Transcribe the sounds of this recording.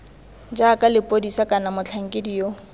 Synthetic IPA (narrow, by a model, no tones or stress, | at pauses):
d͡ʒakʼalɪpʼodisakʼanamʊt͡ɬʰaŋ̩kʼɪdijo